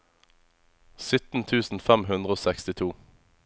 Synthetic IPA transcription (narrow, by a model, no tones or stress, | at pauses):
sʏt̪n̩t̪ʰʉːsn̩fɛmɦʉnd̪ʁəoːsɛkst̪ɪt̪ʰuː